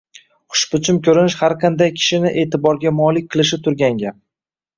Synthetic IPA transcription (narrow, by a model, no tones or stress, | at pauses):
χʊ̥ʃpʊt͡ʃʰɪmkʲʰɵɾɪnɪʃhaɾqʰɑnd̪ajkʲʰɪ̥ʃɪnɪʔe̞ːt̪ʰɪbɒɾɡʲamɒlˠɪk̚ʲqʰɨlˠɪʃɪt̪ʰʊɾɡʲaŋɡʲa